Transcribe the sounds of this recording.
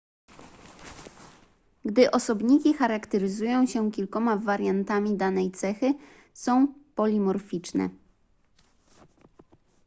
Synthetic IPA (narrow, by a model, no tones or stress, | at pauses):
ɡd̪ɘʔɔsɔbɲikʲixaɾakt̪ɛɾɘzujɔ̃w̃ɕɛkʲilkɔmavaɾjant̪amʲid̪anɛjt̪sɛxɘ | sɔ̃w̃pɔlʲimɔɾfʲit͡ʂnɛ̰